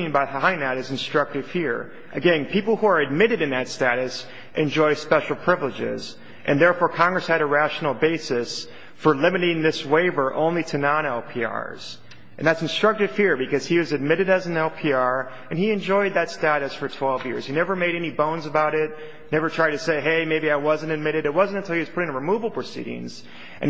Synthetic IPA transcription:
ĩnbaɪãɪ̃nɨɾɨzn̩stɹ̥ʌk̚tɨv̥fiɹ | ʔɨɡɛ̃npʰipl̩ˠhuə˞ɨd̚mɪɾɨɾɨ̃nðɨtstæɾɨs | ʔɨ̃nd͡ʒɔɪspɛʃl̩ˠpʰɹ̥ɪvlɨd͡ʒɪ̰z | ʔɨ̃nðɛɹfɔɹkʰɑ̃ŋɡɹɨshɨɾəɹæʃn̩l̩ˠbeɪsɨs | fə˞lɪ̃mɨɾɪ̃ŋðɪsweɪvə˞ʔõ̰ʊ̃nliɾɨnɑ̃ñɛlˠpʰiɑ̰ɹz̥ | ʔɨ̃nðætsn̩stɹ̥ʌk̚tɨv̥fiɹbɨkʌz̥iwʌzɨd̚mɪɾɨɾɨzn̩ɛlˠpʰiɑɹ | ɨ̃niɨ̃nd͡ʒɔɪd̪̚ðɨtstæɾɨsfə˞tʰw̥ɛlˠvjɪ̰ɹz̥hinɛvə˞meɪɾɛnibõʊ̃nzəbaʊɾɪt̚ | nɛvə˞tʰɹ̥aɪd̚tʰɨseɪɦeɪmeɪbiaɪwʌzɨ̃n̩tɨd̚mɪɾɨɾɨt̚wʌz̃n̩tɨ̃ntʰɪlˠiwʌz̥pʊɾɪ̃ŋəɹɨmuvl̩ˠpʰɹ̥ɨsḭɾɪ̰̃ŋz̥ | ʔɨ̰̃n

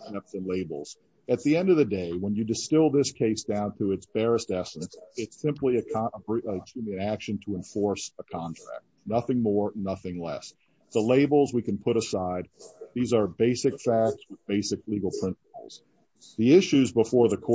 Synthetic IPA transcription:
tɛp̚sɨ̃nleɪbl̩ˠz̥ | ɨt̪̚ðiɛ̃ndʌvðɨdeɪwə̃njɨdɨstɪlˠðɪskʰeɪsd̥ãʊ̃nθɹʉɨtsb̥ɛɹɨstɛsə̃n̩sɪtsɪ̃mpliɨəbət͡ʃʰimɨ̃nækʃɨ̃n̩tʰəə̃ɱfɔɹsəkʰɑ̃ntʰɹ̥æ̰k̚t̚nʌθɪ̃ŋmɔɹnʌθɪ̃ŋlɛ̰s | ðəleɪbl̩ˠzwikɨ̃n̩pʰʊɾəsaɪd̪̚ðizə˞beɪsɨkfæk̚tswəðbeɪsɨkliɡl̩ˠpʰɹ̥ɪ̃nsə̥pl̩ˠz̥ | ðiɪʃʉzbəfɔɹðɨkʰɔ

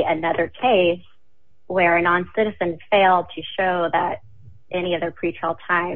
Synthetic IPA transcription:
ɨnʌðə˞kʰeɪs | wə˞nɑ̃nsɪɾɨzɨ̃nfeɪlˠd̚tʰɨʃoʊðəɾ | ʔɛñiʌðə˞pʰɹ̥it͡ʃʰɹ̥lˠtʰãɪ̃

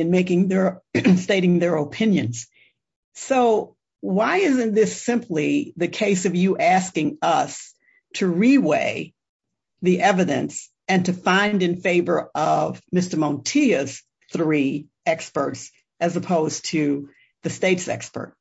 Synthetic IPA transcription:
ɨ̃nmeɪkɪ̃ŋðə˞steɪɾɪ̃ŋðə˞opʰɪ̃njɨ̰̃nz̥ | soʊ | waɪɪzɨ̃n̚ðɪsɪ̃mpʰliðɨkʰeɪsʌvjɨʔæskɪ̃ŋʌs | tʰɨɹiweɪ | ðiʔɛvɨɾɨ̰̃ns | ɨ̃ntʰɨfãɪ̃ndɨ̃nfeɪvə˞ʔʌvmɪstə˞mɑ̃ntʰiɨz̥ | θɹi | ɛkspə̰˞ts | ɨzəpʰoʊz̥tʰɨ | ðɨsteɪtsɛ̰kspə̰˞t̚

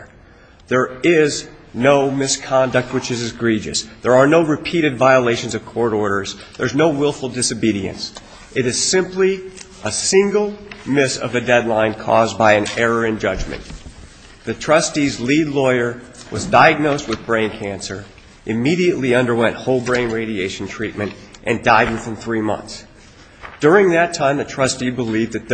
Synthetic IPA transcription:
ðə˞ɪz | noʊmɪskʰɑ̃ndɨk̚t̚wɨt͡ʃɨzɨzɡɹid͡ʒɨ̰sðə˞ənoʊɹɨpʰiɾɨdvaɪəleɪʃɨ̃n̩zʌv̥kʰɔɹɾɔɹɾə˞zðə˞znoʊwɪlˠfl̩ˠdɪsoʊbiɾiɨ̰̃ns | ɨɾɨz̥sɪ̃mpli | ʔəsɪ̃ŋɡl̩ˠmɪsʌ̰vɨdɛdˡlãɪ̃nkʰɔ̰zbaɪɨ̃nɛɹə˞ɨ̃nd͡ʒʌd͡ʒmɨ̰̃n | ðɨtʰɹ̥ʌstizlidˡlɔɪə˞wʌzdaɪɨɡ̚noʊst̚wɨðbɹẽɪ̃nkʰæ̃nsə˞ | ʔɨmiɾiɨʔˡliʌ̃ndə˞wɛ̃nʔhoʊlˠbɹẽɪ̃nɹeɪɾieɪʃn̩tʰɹ̥it̚mɨ̃ntʔɨ̃ndaɪd̩ⁿθə̃m̩θɹimʌ̰̃nθs | d̥ʊɹɪ̃ŋðɨtʰãɪ̃mðɨtʰɹ̥ʌstibəlivðɨt̪̚ð

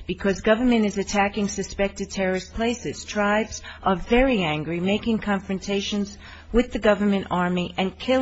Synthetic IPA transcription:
b̥ɨkʰʌzɡʌvə˞mɨ̃ñɨzɨtʰækɪ̃ŋsɨspɛk̚tɨd̚tʰɛɹɨspʰl̥eɪsɨz̥tʰɹ̥aɪbz̥ʔə˞vɛɹiæ̃ŋɡɹimeɪkɪ̃ŋkʰɑ̃ɱfɹɨ̃ntʰeɪʃɨ̃nz | wɨðɨɡʌvə˞mɨ̃ñɑɹmiʔɨ̃nkʰɪ

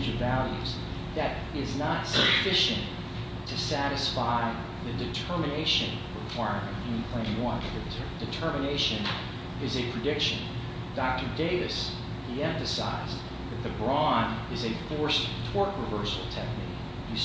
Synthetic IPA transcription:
d͡ʒɨvælˠjʉ̰z | ðɨɾ | ɪznətsɨfɪʃɨ̃n | tʰɨsæɾɨsfaɪ | ðɨdɨtʰɜ˞mɨneɪʃɨ̃nɹɨkʰw̥aɪɹmɨ̰̃nthɨ̃pʰl̥ẽɪ̃mwʌ̃n | dɨtʰɜ˞mɨneɪʃɨ̃n | ɪzɨpʰɹ̥ɨdɪkʃɨ̃n | d̥ɑk̚tə˞deɪvɨs | hiɛ̃ɱfɨsa̰ɪz | ðɨt̪̚ðɨbɹɑ̃ndɨzɨfɔɹstʰɔɹkɹəvɜ˞sl̩ˠtʰɛk̚nḭk | jɨ

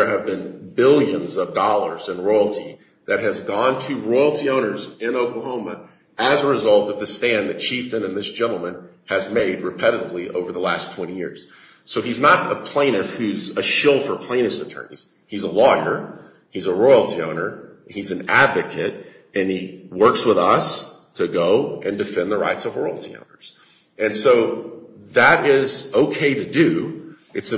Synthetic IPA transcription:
ə˞ɨvbɨ̃nbɪlˠjɨ̃nzʌvdɑlˠə˞zɨ̃nɹɔɪl̩ˠtʰi | ðɨt̚ɦɨzɡɔ̃ntʰɨɹɔɪl̩ˠtʰiõʊ̃nə˞zɪ̃noʊkləɦõʊ̃mə | ɨzəɹɨzʌlˠtʌvðɨstæ̃nðɨt̚t͡ʃʰiftɨ̃nɨ̃nðɪsd̥ʒ̥ɛ̃ñl̩ˠmɨ̃n | ɨzmeɪd̚ɹɨpʰɛɾɨɾəvliʔo̰ʊvə˞ðəlæstʰw̥ɛ̃ɾ̃ijɪ̰ɹz̥ | soʊiznəɾəpʰl̥ẽɪ̃ñɨfhʉzɨʃɪlˠfə˞pʰl̥ẽɪ̃nɨsɨtʰɜ̰˞nḭz̥ | hizəlɔ̃ŋɡə˞ | izəɹɔɪl̩ˠtʰiõʊ̃nə˞ | izɨ̃n̩ædvɨkʰɨɾ | ɨ̃niwɜ˞kswəðʌs | tʰɨɡoʊʔɨ̃ndɨfɛ̃nðəɹa̰ɪtsʌvɹɔɪl̩ˠtʰiõ̰ʊ̃nə˞z̥ | ʔɨ̃nsoʊ | ðəɾɪzoʊkʰeɪɾɨdʉ | ʔɨtsɨ

